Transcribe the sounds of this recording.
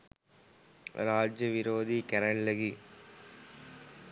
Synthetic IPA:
ɾaːd͡ʒjɐʋiɾoːd̪ikɐɾɐɳlɐɡi

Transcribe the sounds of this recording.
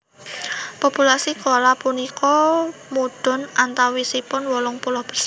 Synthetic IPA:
populasikɔlapunikɔmuɖ̥ɔ̤nant̪awisipʊnwɔlɔŋpulɔhb̥ərs

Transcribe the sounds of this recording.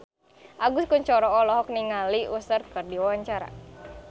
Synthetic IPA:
ʔaɡʊskuɲt͡ʃɔɾɔɔlɔɦɔk̚niŋaliusərkɨrdiwawaɲt͡ʃaɾa̰

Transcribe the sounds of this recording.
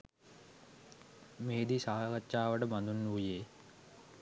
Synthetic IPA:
meːd̪isaːkɐt͡ʃːaːʋɐʈəbɐnd̪unːuːjeː

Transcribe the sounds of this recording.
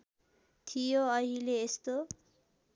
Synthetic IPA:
t̪ʰijoʌɦileːst̪o

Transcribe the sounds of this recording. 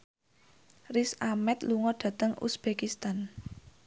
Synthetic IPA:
risamɛt̪luŋɔɖ̥ä̤t̪əŋṵsb̥ekist̪an

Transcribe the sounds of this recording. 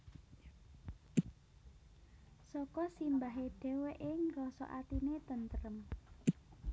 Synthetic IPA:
sɔkɔsimbaɦeɖ̥ɛ̤weʔɪŋrɔsɔ̰ʔa̰t̪inet̪ənt̪əɾəm

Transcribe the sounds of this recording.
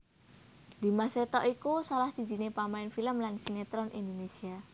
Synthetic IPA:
d̪̥i̤maset̪ɔʔikusalahsi̥d͡ʒi̤nepamaɪnfiləmlansinet̪ɾɔnʔḭnd̪onesia

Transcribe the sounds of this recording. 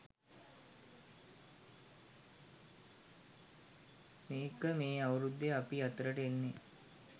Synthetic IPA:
meːkəmeːaʋəɾud̪ːeapiɐt̪əɾəʈenːe

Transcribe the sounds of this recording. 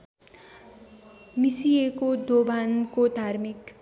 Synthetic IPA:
misijekod̪obankod̪ʱaɾmik

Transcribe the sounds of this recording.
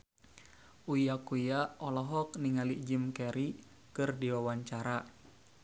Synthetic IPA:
ʔujakujaɔlɔɦɔk̚niŋalid͡ʒimkɛɾi | kɨrdiwawaɲt͡ʃaɾa

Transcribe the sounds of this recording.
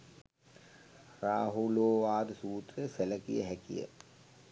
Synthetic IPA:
raːɦuloːʋaːd̪suːt̪ɾəseləkḭjəɦækḭjə̰

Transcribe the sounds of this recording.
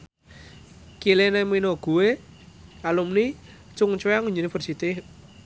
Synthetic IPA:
kileneminoɡ̥uwe | alumni | t͡ʃʊŋt͡ʃweaŋɲunifərsit̪i

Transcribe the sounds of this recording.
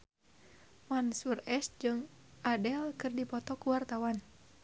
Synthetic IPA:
wansurɛsd͡ʒɨŋadɛlkɨrdipɔt̪ɔkuwart̪awan

